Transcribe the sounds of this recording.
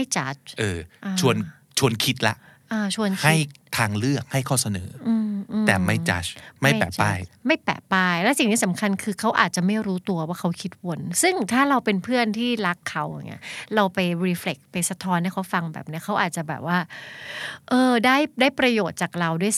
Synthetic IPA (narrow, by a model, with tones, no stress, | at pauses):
a˥˩jt͡ɕa˦˥t͡ɕʔɤː˧ʔa˧t͡ɕʰu˧ən | t͡ɕʰu˧ənkʰi˦˥t̪̚la̰˦˥ʔʔaː˧˩t͡ɕʰu˧ənha˥˩jt̪ʰaː˧ŋlɯ˥˩ɐk̚ha˥˩jkʰɔː˥˩sa˧nɤ̰ː˩˦ʔɯː˧ʔɯː˧t̪ɛː˨˩ma˥˩jt͡ɕa̰˦˥ma˥˩jpɛ̰ː˨˩t͡ɕpaː˧˩jma˥˩jpɛ̰ː˨˩paː˥˩jlɛ˦˥si˨˩ŋniː˦˥sa˩˦mkʰa˧nkʰɯː˧kʰa˦˥wʔa̰ː˨˩t̪̚t͡ɕa˨˩ma˥˩jɾuː˦˥t̪u˧ɐwaː˥˩kʰa˦˥wkʰi˦˥t̪̚wo˧˥nsɯ˥˩ŋt̪ʰaː˥˩ɾa˧wpe˧npʰɯ˥˩ənt̪ʰiː˥˩la˦˥kʰːa˦˥wja̰˨˩ŋʔḭ˦˥ɐɾa˧wpa˧jɾiː˧fle˨˩k̚pa˧jsa˧t̪ʰɔː˦˥nːi˥ɐkʰa˦˥wfa˧ŋbɛ̰ː˨˩p̚ni˦˥ɐkʰa˦˥wʔaː˨˩t̪̚t͡ɕa˨˩bɛː˨˩p̚waː˥˩ | ʔɤː˧daː˥˩jdaː˥˩jpɾa˧joː˨˩t̪̚t͡ɕaː˨˩k̚ɾa˧wdu˥˩əj